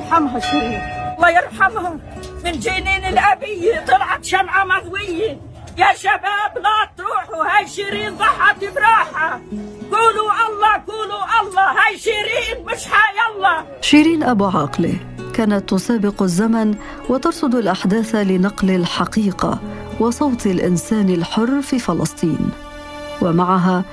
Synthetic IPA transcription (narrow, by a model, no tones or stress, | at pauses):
ɾħamɦaʃiɾiːnɑlˤːɑːjɪɾˤħamhamɪnd͡ʒiːniːnɪlʔabɪjːɪt̪ˤɑlʕɑt̪ʃamʕamaɣwɪjːɪ | jaʃabaːblat̪ɾuːħuhajʃiːɾiːnzˤɑħɑt̪ɪbɾɑːħaɡuːluʔɑlˤːɑɡuːluʔɑlˤːɑɦajʃiːɾiːnmɪʃhajɑlˤːɑ | ʃiːɾiːnʔabuːʕɑːqlḭ | kaːnat̪ːʊsaːbɪqazːaman | wɑt̪ɑɾˤsˤʊd̪ˤalʔaħd̪aːθlɪnɑqlɪlħɑqiːqɑ̰ | wɑsˤɑwt̪ɪlʔɪ̰nsaːnɪlħʊrːfiːfɑlɑ̰sˤt̪ˤḭːn | wamaʕaɦa